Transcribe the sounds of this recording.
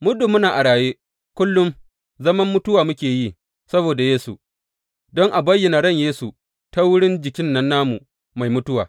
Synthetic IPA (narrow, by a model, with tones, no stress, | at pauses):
mʊ˦du˨mːʊ˦naː˨ʔa˨ɽaː˨jeː˦ | kʷʊ˦lːʊ˦m | zɐ˦mɐ˦mːʊ˦tʊ˦waː˨mʊ˦kʲeː˨ji˦ | sɐ˦boː˨da˨jeː˦su˨ | dɔ˦ŋʔa˨bɐ˦jːɪ˨na˨ɽɐ˦˨ɲjeː˦su˨ | ta˦wʊ˦ɽɪ˦nd͡ʒɪ˨kʲɪ˦nːɐ˦nːaː˦mu˨ | ma˨jmʊ˦tʊ˦waː˨